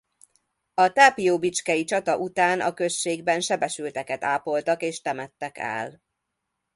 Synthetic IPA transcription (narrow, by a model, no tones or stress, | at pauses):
ɒt̪aːpijoːbit͡ʃkɛjit͡ʃɒt̪ɒʔut̪aːnʔɒ̰kø̞ʃt͡ʃːeːɡbɛnʃɛbɛʃylt̪ɛkɛt̪aːpo̞lt̪ɒkeːʃt̪ɛmɛt̪ːɛkɛ̰l